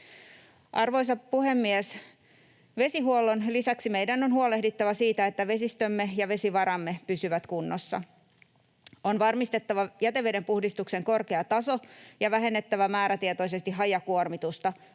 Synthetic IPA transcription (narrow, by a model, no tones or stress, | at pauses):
ʔɑrʋo̞isɑppuhemːies | ʋe̞siɦuolːonlisæksimejdænonhuolehdit̪ːɑʋæsiːt̪æet̪ːæʋe̞sist̪ømːejɑʋe̞siʋɑɾɑmːepysyʋæt̪kunːosːɑ̰ | onʋɑrmist̪et̪ːɑʋɑjæt̪e̞ʋedempuhdist̪ukse̞ŋko̞rke̞ɑt̪ɑso̞jɑʋæɦe̞nːet̪ːæʋæmæːɾæt̪iet̪o̞ise̞st̪iɦɑjɑkuormit̪ust̪ɑ